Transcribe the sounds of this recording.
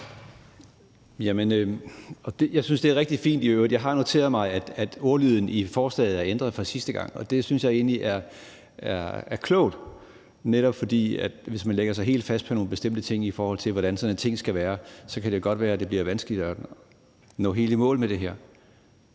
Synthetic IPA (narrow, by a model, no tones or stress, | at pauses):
jæmənøɒ̽d̥e̝jɑ̈ɪsynsd̥eæɐʁɛɡ̥d̥i̥fḭːnd̥iøʊɐðˠjɑ̈ɪɦɑ̈no̝t͡sʰe̝̰ːɐðˠmɑ̈ɪæd̥æd̥o̝ːɐlyð̞ˠn̩ifɒːslɛ̰ːð̞̩ˠæɐend̥ʁɐðˠfɒ̽sisd̥əɡ̥ɑ̈ŋ̰ɒ̽d̥e̝synsjɑɪe̝̰ːnliʔæɐ | æɐæɐkʰlɔ̰ʊ̰d̥ | neɾ̥ɒ̽b̥fɒ̽d̥ḭːæd̥ʋe̝smænleɡ̥ɐs̬ɑ̈ɪɦe̝̰ːld̥fæsd̥pʰɔ̽no̝ːnb̥e̝sd̥em̰d̥ət͡sʰe̝ŋ̰ifɒːhɒ̽l̰t͡sʰe̝lʋɒɾ̥ænsɒ̽net͡sʰe̝ŋ̰sɡ̥æʋæːɐsɒ̽kʰæd̥e̝ɡ̥ɒ̽d̥ʋæːɐæd̥e̝b̥liɐʋænsɡ̥əlid̥ɒ | nɔ̰̽ːɦe̝ːləmɔ̰ːlmed̥e̝ɦæɐ̰